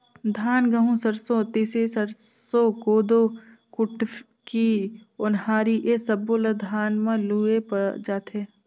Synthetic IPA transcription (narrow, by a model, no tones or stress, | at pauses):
d̪ʱaːnɡəɦũsɐɾsot̪isesəɾ | sokoːd̪o | kʊʈ | kiʊnhaːɾiʔesɐboləd̪ʱaːnmãluːepəd͡ʒaːt̪ʰeː